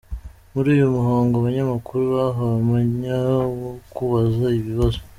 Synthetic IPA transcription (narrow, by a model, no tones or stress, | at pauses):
muɾiːjomuɦaːŋɡoaβaɲamakuɾuβaɦaβamaɲawokuβazaiβiβazo